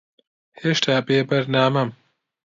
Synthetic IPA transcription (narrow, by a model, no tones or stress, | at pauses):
heːʃt̪ʰaːbeːbɐɾnaːmɐm